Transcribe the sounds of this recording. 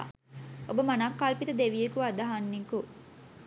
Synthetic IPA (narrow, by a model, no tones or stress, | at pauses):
ʔobɐmanaːkːalpit̪ud̪eʋijekuad̪ɐɦanːiku